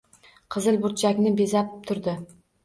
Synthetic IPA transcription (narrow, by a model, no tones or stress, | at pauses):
qʰɨzɨlbʊɾt̪̚t͡ʃʰakʲnɪbezap̚t̪ʰʊɾd̪ɪ